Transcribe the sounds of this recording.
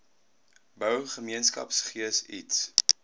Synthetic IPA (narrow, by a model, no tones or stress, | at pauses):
bœwχəmiənskɐ̰psχiəsḭts